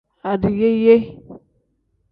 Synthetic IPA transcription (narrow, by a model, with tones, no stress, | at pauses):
a˨du˨je˦je˦